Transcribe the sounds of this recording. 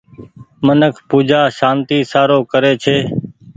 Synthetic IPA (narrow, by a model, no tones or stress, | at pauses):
mənəkʰpuːd͡ʒaːʃãːnt̪iːsaːɾoːkəɾeːt͡ʃʰeː